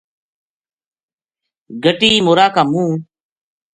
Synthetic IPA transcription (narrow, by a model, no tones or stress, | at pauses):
ɡəʈiːmoːɾaːkaːmũː